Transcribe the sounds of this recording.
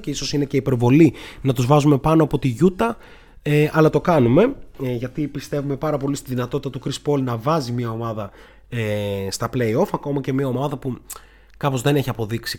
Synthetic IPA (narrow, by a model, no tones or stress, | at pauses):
ceiso̞sine̞ce̞ipe̞ɾvo̞linɐt̪uzvɐzume̞pɐnoɐpot̪iʝut̪ɐ | eʔɐlɐt̪o̞kɐnume̞ʝɐt̪ipist̪e̞vume̞pɐɾɐpo̞list̪iðinɐt̪o̞t̪it̪ɐt̪ukɾispo̞lnɐvɐzimɲɐo̞mɐðɐ | est̪ɐpleio̞fɐko̞mɐcemiɐo̞mɐðɐpu | kɐpo̞zðe̞ne̞çiɐpo̞ðiksi